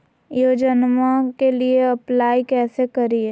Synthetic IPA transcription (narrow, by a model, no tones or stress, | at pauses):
joːd͡ʒənmakelieɐplaːikɛːsekɐɾie